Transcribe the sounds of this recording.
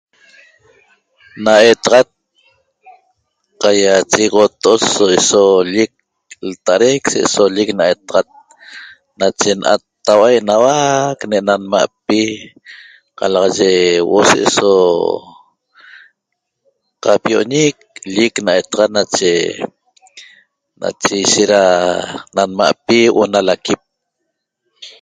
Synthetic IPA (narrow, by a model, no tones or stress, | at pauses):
naʔet̪aʁat̪̚ | qajat͡ʃiʁot̪oosoisoʎik̚ | lt̪aɾekseʔsoʎiknaet̪aʁat̪̚ | nat͡ʃenʔa̰t̪ːawajʔnawakneʔnanma̰ʔpi | qɑ̰lɑʁɑʒewʔoseʔso | qapijoʔɲik̚ʎiknajt̪aʁɑt̪nat͡ʃe | na̰t͡ʃejʃeɾananma̰ʔpiwʔonalakip̚